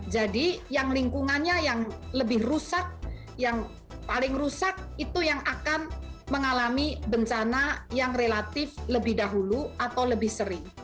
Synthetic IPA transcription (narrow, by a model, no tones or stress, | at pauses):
d͡ʒadijaŋliŋkuŋanɲajaŋləbɪhrusak̚ | jaŋ | palɪŋrusak̚it̪ujaŋʔakanməŋalamibəɲt͡ʃanajaŋrelat̪ɪfləbɪhdaɦuluat̪awləbɪhsəɾɪŋ